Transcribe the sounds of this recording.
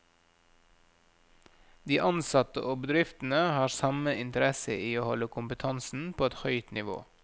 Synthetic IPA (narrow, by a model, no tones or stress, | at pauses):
d̪iːʔɑnsɑt̪ə̰ʔoːbəd̪ɾɪft̪n̩əhɑːɾsɑməɪnt̪əɾɛsə̰ʔiːoːhɔləkʰʊmpət̪ʰɑnsn̩pʰoːɛt̪hœʏt̪nɪʋo̰ː